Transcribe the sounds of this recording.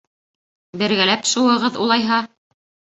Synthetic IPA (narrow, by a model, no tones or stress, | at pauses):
bɘ̆ɾɡælæpʃuwɤ̆ʁɤðṵlˠɑjɦɑ